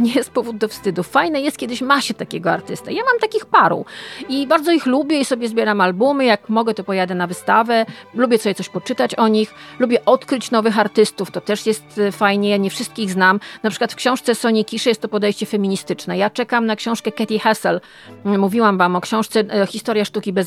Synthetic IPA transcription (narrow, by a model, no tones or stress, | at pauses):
ɲejɛst̪̚pɔvud̪̚d̪ɔfst̪ɘd̪ufajnɘjɛst̪̚kʲɛd̪ɘɕmaɕɛt̪akʲeɡɔa̰ɾt̪ɘst̪a̰jamamt̪akʲixpaɾṵibaɾd̪zɔixlubʲjɛisɔbʲjɛzbʲjɛɾamalbumɘjak̚mɔɡɛt̪ɔpɔjad̪ɛnavɘst̪avɛlubʲjɛsɔbʲjɛt̪ɔɕpɔt͡ʂɘt̪at͡ɕɔɲixlubʲjɛʔɔt̪kɾɘt͡ɕnɔvɘxaɾt̪ɘst̪uft̪ɔt̪ɛʂjɛst̪fajɲɛjaɲɛfʂɘst̪̚kʲiɣznamnapʂɘ̥kwat̪fkɕɔ̃w̃ʂt̪sɛsɔɲikʲiʂɛjɛst̪t̪ːɔpɔd̪ɛjɕt͡ɕɛfɛmʲiɲist̪ɘt͡ʂnɛjat͡ʂɛkamnakɕɔ̃w̃ʂkɛkɛt̪ʲixɛsɛl | muvʲiwamvamɔkɕɔ̃w̃ʂt̪sɛxʲist̪ɔɾʲjaʂt̪ukʲibɛz